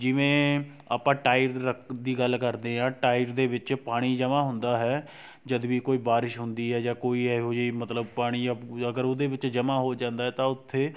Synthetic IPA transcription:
d͡ʒɪʋẽː | aːpãːʈaːɪɾɾəkʰd̪iːɡəlkəɾd̪ẽːãːʈaːɪɾd̪eːʋɪt͡ʃpaːɽ̃iːd͡ʒəmãːɦʊ̃nd̪aːɦɛː | d͡ʒəd̪ʋiːkoːiːbaːɾɪʃɦʊnd̪iːɦɛːd͡ʒãːkoːiːɛɦod͡ʒiːmət̪ləbpaːɽ̃iːəɡəɾʊd̪eːʋɪt͡ʃd͡ʒəmãːɦoːd͡ʒãːnd̪aːɦɛːt̪ãːʊt̪ʰːeː

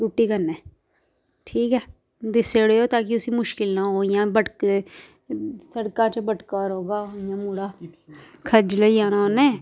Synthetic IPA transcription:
ɾuːʈːiːkəɾnɛː | ʈʰiːkɦɛː | d̪ɪseɽeːoːt̪aːk̬ɪʊsimʊʃkɪlnaːɦoːjãːbəʈk | səɽkat͡ʃəbəʈkaːɾɦoːɡaːjãːmuːɽaː | kʰəd͡ʒləiaːnaɦoːnɛ̃ː

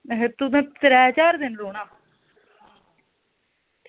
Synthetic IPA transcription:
ɦet̪ud̪ẽːt̪ɾɛːt͡ʃaːɾd̪ɪnloːnaː

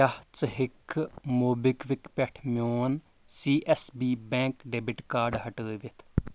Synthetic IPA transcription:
aht͡səɦɪkʰːmoːbɪkʋɪkpɛʈʰmjoːn | siːʔɛsbiːbɛ̃ːŋkɖeːbɪʈkaːɾɖɦəʈəːʋɪt̪ʰ

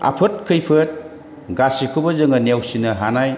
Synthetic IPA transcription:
a̰pʰɯt̚kʰɯjpʰɯt̚ | ɡasikʰubɐzɯŋɯnewsinɐɦanaj

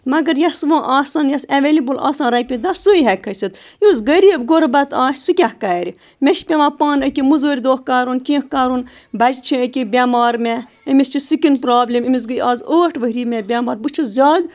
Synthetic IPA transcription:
mɐɡɐɾjɐsʋãːʔaːsaːnjɛsɐʋeːlibɨla̰ːsaːnɾɐjpʲĩd̪asuiɦɛkʰːɐsit̪joːzɡəɾʲiːbɡoɾbɐt̪aːsʲsɨkʲahkaːɾʲi | mʲeʃpʲeʋaːpaːnɐkʲimuzoːɾʲd̪oːhkaːɾunkʲĩːhkaːɾunbɐd͡ʒt͡ʃʰiəkʲibʲaːmaːɾmʲɛ | əmʲist͡ʃʰisɨkʲinpɾaːblʲimimʲis̬ɡɨjʔaːzoːʈʋəɦɾiːmʲɛbʲaːmaːɾbɨt͡ʃʰuzʲaːd̪

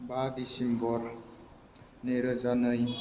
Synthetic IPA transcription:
badisembɔɾ | neɾəzanɯj

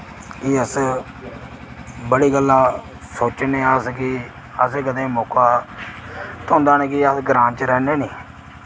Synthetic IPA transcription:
kɪəs | bəɽiːɡəlːaː | soːt͡ʃneːəskɪ | əseːkəd̪ẽːmoːkaː | t̪ʰõːnd̪aːnẽːkɪəsɡɾãːnt͡ʃɾɛːneːniː

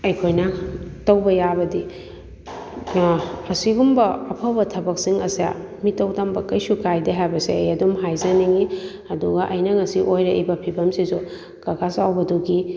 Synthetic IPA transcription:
ɐjkʰojnɐtɐwbɐjabɐdi | siɡumbɐɐpʰɐbɐtʰɐbɐksiŋɐsa̰mitɐwdɐmbɐkɐjsukʰajdeɦajbɐseɐjɐdumɦajzɐniŋi | ɐduɡɐʔɐjnɐŋɐsiʔojɾɐʔbɐpʰibɐmsizu | kɐkasawbɐduɡi

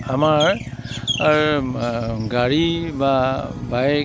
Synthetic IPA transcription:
amaɹ | ɹ | ɡaɹibabaj

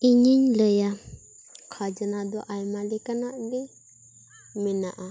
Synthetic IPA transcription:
iɲiɲləja | kʰad͡ʒanad̪ɔʔajmalɛkanaʔdɛ | mɛnaʔa

